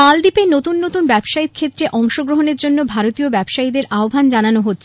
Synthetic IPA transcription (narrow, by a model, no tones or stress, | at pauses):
ald̪ipenot̪unːot̪unbɛbʃaikʰet̪ːɾeʔɔŋʃoɡɾoɦoneɾd͡ʑonːobʱaɾot̪iobɛbʃaid̪eɾʔaobʱand͡ʑananoɦotːɕʰ